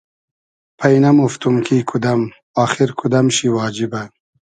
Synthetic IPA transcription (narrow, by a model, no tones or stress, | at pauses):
pʰɐjnɐmuft̪umkʰiːkʰud̪ɐm | ɑːxiɾkʰud̪ɐmɕiwɑːd͡ʑibɐ